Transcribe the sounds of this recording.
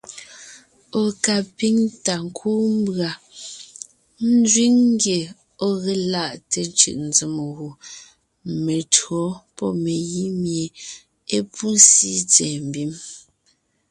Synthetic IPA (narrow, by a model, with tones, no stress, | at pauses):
o˨ka˨pi˦ŋta˨ŋ̩˨kʰuː˦m̩˦bɰa˨ | n̩˦zɥi˦ŋːŋ˦ɡje˨ | ɔ˦ɣe˨la˦˨ʔte˨n˦t͡ʃɯ̰˦˨ʔn̩˨d͡zi˨m˨ɣu˨ | me˨twɰɔ˨˦pɔ˦me˨ji˦mje˨ | e˦pʰu˦n̩˦si˦t͡sɛː˨m̩˨bi˦m